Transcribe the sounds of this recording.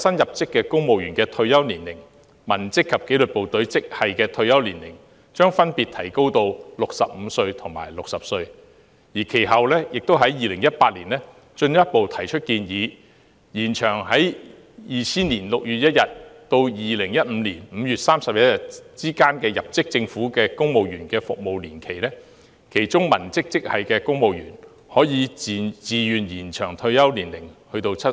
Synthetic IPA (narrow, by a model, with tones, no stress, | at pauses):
sɐ˥njɐ˨p̚t͡sɪ˥kːɛː˧kʊ˥ŋmo˨wjyː˨˩nkɛː˧t̪ʰɵ˧ɥjɐ˥wniː˨˩nlɪ˨˩ŋ | mɐ˨˩nt͡sɪ˥kʰːɐ˨p̚ke˨˥jlɵ˨t̚po˨wt̪ɵ˨˥ɥt͡sɪ˥k̚hɐ˨jkɛː˧t̪ʰɵ˧ɥjɐ˥wliː˨˩nlɪ˨˩ŋ | t͡ʃœː˥ŋfɐ˥npiː˨t̪ʰɐ˨˩jko˥wt̪o˧wlʊ˨k̚sɐ̰˨p̚m̩ː˨˧sɵ˧ɥt̪ʰʊ˨˩ŋma̰ː˨˩jlʊ˨k̚sɐ˨p̚sɵ˧ɥ | jiː˨˩kʰe˨˩jɦɐ˨wlɛː˥jɪ˨k̚t̪o˥wɦɐ˨˥jjiː˨lɪ˨˩ŋjɐ˥t̚paː˧t̚liː˨˩nlɛː˥ | t͡ʃɵ˧njɐ˥t̚po˨wt̪ʰɐ˨˩jt͡ʃʰɵ˥t̚kiː˧njiː˨˧ | jiː˨˩nt͡ʃʰœː˨˩ŋɦɐ˨˥j | jiː˨t͡sʰiː˥nliː˨˩nlʊ˨k̚jyː˨t̚jɐ˥t̚jɐ˨t̚t̪o˧wjiː˨lɪ˨˩ŋjɐ˥t̚m̩ː˨˧liː˨˩nm̩ː˨˧jyː˨t̚saː˥msɐ˨p̚jɐ˥t̚jɐ˨t̚t͡siː˥kaː˥nkɛː˧jɐ˨p̚t͡sɪ˥k̚t͡sɪ˧ŋfuː˨˥kɛː˧kʊ˥ŋmo˨wjyː˨˩nkɛː˧fʊ̰˨k̚mo˨wliː˨˩nkʰe˨˩jlɛː˥ | kʰe˨˩jt͡sʊ˥ŋmɐ˨˩nt͡sɪ˥k̚t͡sɪ˥k̚hɐ̰˨jkɛː˧kʊ˥ŋmo˨˧wjy̰ː˨˩n | hɔː˨˥jiː˨˧˨t͡siː˨˧jyː˨njiː˨˩nt͡ʃʰœː˨˩ŋt̪ʰɵ˧ɥjɐ˥wliː˨˩nlɪ˨˩ŋhɵ˧t̪o˧wt͡sʰɐ˥